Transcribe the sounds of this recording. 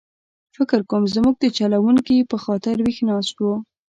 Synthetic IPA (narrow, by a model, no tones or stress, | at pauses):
fɪkɪɾkomzmuɡ̚d̪ət͡ʃalawuŋkipəxɑt̪ɪɾwixnɑst̪wu